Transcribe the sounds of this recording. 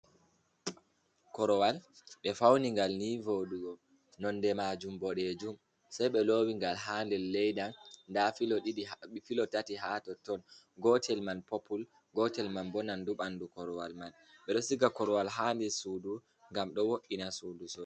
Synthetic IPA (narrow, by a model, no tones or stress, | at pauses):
kɔɾɔwalɓɛfawniŋɡalnivoɗuɡɔ | nɔndɛmad͡ʒumbɔɗed͡ʒum | sajɓɛloːwiŋɡalɦaːndɛlːɛjɗanndafilɔɗiɗifilɔtatiɦaːtɔtɔn | ɡɔtʰɛlmanpɔpul | ɡɔtɛlmanbɔnanduɓandukɔɾɔwalman | ɓɛɗɔsiɡakɔɾɔwalɦandɛsuːdu | ŋɡamɗɔwoʔinasudusɔ